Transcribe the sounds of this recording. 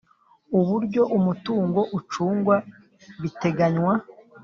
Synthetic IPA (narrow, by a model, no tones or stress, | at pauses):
uβuɾɟo̞ʔumutuːŋɡo̞ʔut͡ʃuːŋɡwa | βite̞ɡaɲwa